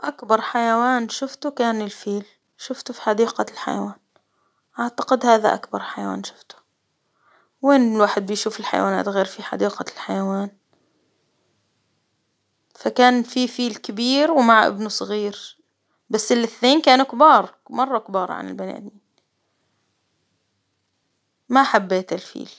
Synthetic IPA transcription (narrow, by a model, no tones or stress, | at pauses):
ʔakbɑɾˤħajawaːnʃʊft̪ukaːnɪlfiːl | ʃʊft̪ufi̥ħɑd̪iːqalħa̰ja̰waːn | ʔaʕt̪ḁqɪd̪haːða̰ʔa̰kbɑɾˤħajawa̰ːnʃʊft̪ʊ̥ | weːnlwaːħɪd̪̚bɪjʃuːfɪlħa̰ja̰waːna̰ːt̪ɣeːɾfiħa̰ɑ̰d̪iːqɑlħajawaːn | fakaːnfifiːlkɪbiːɾwmaʕʔɪ̰bnusˤɣiːɾ | basːɪlɪθneːnkaːnukbɑːɾˤ | mɑrˤːɑkbɑːɾˤɑ̰ʕa̰nɪ̰lbana̰ːd̪iːn | maħabːeːt̪ɪlfḭːl